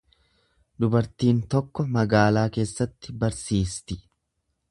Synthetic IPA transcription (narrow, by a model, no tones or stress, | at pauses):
d̪ʊbɐɾt̪iːnt̪ɔkːɔmɐɡaːlaːke̞ːsːɐt̪ːɪbɐɾsiːst̪ɪ